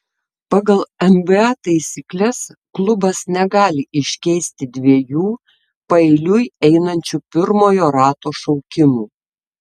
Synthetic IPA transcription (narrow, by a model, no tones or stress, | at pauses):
pɑːɡɐlˠɛmbɨɑːt̪ɐɪsʲiːklʲɛsklˠʊbɐsnʲɛɡɑːlʲɪʔɪʃʲkʲɛɪsʲt̪ʲɪd̪ʲʋʲiɛjuː | pɐɛɪlʲʊjɛɪnɐnʲt͡ʃʲʊpʲɪɾmoːjoːɾɑːt̪oːʃɒʊkʲɪmuː